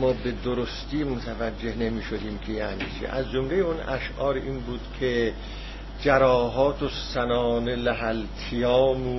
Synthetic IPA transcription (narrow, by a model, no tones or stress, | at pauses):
mɒːbed̪oɾost̪iːmot̪ʰævæd͡ʒːe̞hne̞miːʃod̪iːmkʰejaniːt͡ʃʰḛʔæ̰zd͡ʒomlejeunæ̰ʃʔɒːɾiːnbuːd̪̥kʰe | d͡ʒæɾɒːɦɒːt̪ʰosænɒːnelæɦælt̪ʰijɒːmuː